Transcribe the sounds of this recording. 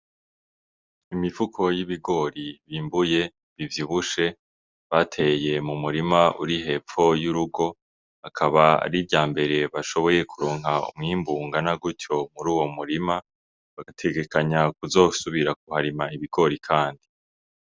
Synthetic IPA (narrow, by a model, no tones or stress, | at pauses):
imivukʰo̞jiβiɡo̞ːɾiβiːmbuje̞ | βivjiβuʃe̞ | βatʰe̞je̞mumuɾimaʔṵɾiɦe̞pp͡fo̞juɾuɡo̞ | akʰaβaa̰ɾibɟaːmbe̞ɾe̞βaʃo̞βo̞je̞kuɾoːŋ̥ɦaṵmŋiːmbuːŋɡanaɡuco̞muɾuːwo̞muɾima | βaɡatʰe̞ɡe̞kaɲakuzo̞ːsuβiɾak̚uhaɾimaiβiɡ̥o̞ɾikʰaːndi